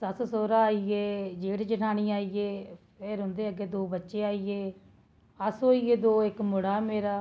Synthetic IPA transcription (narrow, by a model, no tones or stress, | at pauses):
səssoːɾaːaːieːd͡ʒeːɽd͡ʒəʈaːɽ̃iːaːieːpʰɪɾɦʊ̃nd̪eːəɡeːd̪oːbətːʃeːaːieː | əsɦoːiːeːd̪oːɪkmʊɽaːmeːɾaː